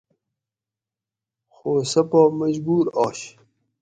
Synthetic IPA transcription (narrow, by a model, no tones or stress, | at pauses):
xoːsɐpamɐd͡ʑbuːɾɑːɕ